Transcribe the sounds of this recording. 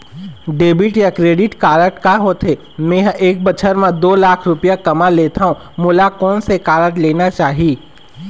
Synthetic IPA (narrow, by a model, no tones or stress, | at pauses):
ɖeːbɪʈjakɾeːɖɪʈkaːɾəʈkaɦoːt̪ʰe | mẽːɦʔeːk̚bət͡ʃʰəɾmãd̪oːlaːkʰɾʊpijakɐmaleːt̪ʰaɦũ | mʊlakɔːnsekaːɾəʈleːnat͡ʃaːɦiː